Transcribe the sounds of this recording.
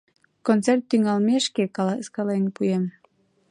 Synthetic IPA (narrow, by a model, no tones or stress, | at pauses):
kont͡sert̪ːyŋɑlmeʃkekɑlɑskɑlenpujem